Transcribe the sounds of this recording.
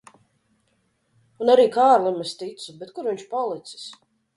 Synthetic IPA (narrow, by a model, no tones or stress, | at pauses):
unaɾiːkaːɾlˠimɛst̪it̪subɛt̪kuɾviɲt͡ʃpalˠit̪si̥s